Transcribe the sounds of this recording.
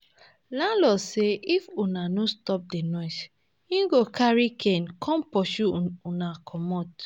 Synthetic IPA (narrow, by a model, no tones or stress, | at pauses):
lãlɔseʔifunanostɔp̚denɔs | ĩɡokʰaɹikʰɛ̃nkʰɔ̃npɔʃuunakʰɔmɔt